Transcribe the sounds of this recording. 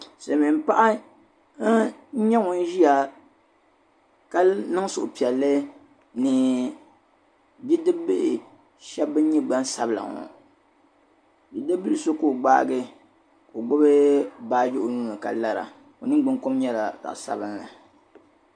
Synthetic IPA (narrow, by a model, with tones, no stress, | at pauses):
sa˨mi˨m˦pa˦ʔa˦ | ɲɛ˦ŋʊ˨n˦ʒi˦ja˨ | ka˦nɨ˦ŋ˦sʊ̰˨ʔʊ˨pi˨ɛ˨lːɨ˦ | nɨ˨ | bi˦dɨ˦bɨ˦ʔɪ˨ | ʃɛ˦bːɨ˦n˦ɲi˦ɡ͡ba˦n˦sa˦bla̰˨ŋo̰˨ | bi˨dɨ˦bɨ˦lɨ˨so˦ko˨ɡ͡ba̰ː˦ɡɨ˦ | ko˨ɡ͡bʊ˦bɨ˦baː˦d͡ʒo˦ʔʊ˦nuː˦na˨ka̰˨la˦ɾa̰˨ | o˨nɨ˦ɡ͡bɨ˦ŋko˦mɲɛ˦la˨da̰˨ʔsa̰˦bɨ˦nla̰˨